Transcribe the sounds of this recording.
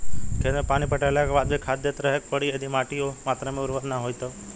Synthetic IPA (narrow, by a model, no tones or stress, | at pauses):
kʰẽnpaːñipəʈalakabaːd̪bikʰad̪ːet̪ɾəɦek̚pəɽiəd̪ʱimaːʈiomaːt̪ɾəmẽʊɾʋət̪naɦojt̪o